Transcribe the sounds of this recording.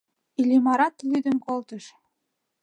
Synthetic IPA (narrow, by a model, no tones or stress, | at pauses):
ilʲimɑɾɑt̪lyd̪ə̆nkolt̪ə̆ʃ